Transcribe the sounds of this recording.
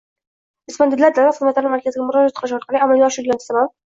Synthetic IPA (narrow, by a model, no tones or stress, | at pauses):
ɪspand̪ɪlːaɾd̪aɾaχɨzmat̪laɾɪmaɾkʲʰazɪɡʲamʊɾɒd͡ʒat̪̚qʰlˠɪʃɒɾqʰɑlˠiamalɡʲɒʃɪlʲanst̪aman